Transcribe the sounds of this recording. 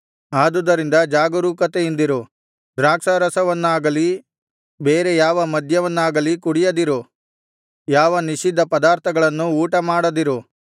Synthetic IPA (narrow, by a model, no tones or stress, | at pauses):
aːd̪ud̪ɐɾind̪ɐd͡ʒaːɡɐɾuːkɐt̪ejind̪iɾu | d̪ɾaːkʂɐɾɐsɐʋɐnːaːɡɐli | beːɾejaːʋɐmɐd̪ʱjɐʋɐnːaːɡɐlikuɽijɐd̪iɾu | jaːʋɐniʃid̪ːɐpɐd̪aːɾt̪ʰɐɡɐɭɐnːuuːʈɐmaːɽɐd̪iɾu